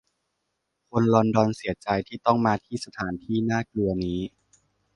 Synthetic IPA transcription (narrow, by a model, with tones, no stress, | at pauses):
kʰo˧nlɔ˧ndɔː˧nsi˩˦ɐt͡ɕa˧jt̪ʰiː˥˩t̪ɔ˥˩ŋmaː˧t̪ʰiː˥˩sa˧t̪ʰaː˩˦nt̪ʰiː˥˩naː˥˩klɯ˧ɐniː˦˥